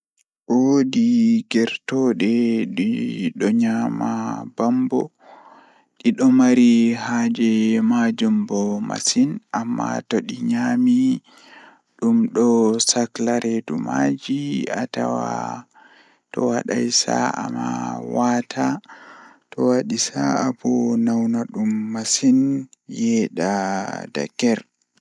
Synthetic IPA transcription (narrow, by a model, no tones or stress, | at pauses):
ʔɔwodiɡɛɾtɔɗɛɗiɗɔɲamabambɔ | ɗiɗɔmaɾihad͡ʒɛmad͡ʒumbɔma̰sinʔamːa̰tɔɗiɲami | ɗumɗɔsaklaɾedumad͡ʒiatawa | tɔwaɗa̰jsa̰amawatʰa | tɔwaɗisaabɔnawnaɗumːasinjɛɗada̰kːɛɾ